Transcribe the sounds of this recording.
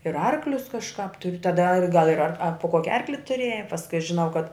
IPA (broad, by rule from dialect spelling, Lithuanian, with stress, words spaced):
ɪr ˈɐrklʲʊs kɐʃˈkɑːp tʊr tɐˈdɐ ɐr ɡɐlˠ ɪr ɐr poː ˈkoːkʲɪ ˈɐrklʲɪ tʊˈrʲeːjɛ pɐsˈkʊɪ ɐʃ ʒʲɪˈnɐʊ kɐt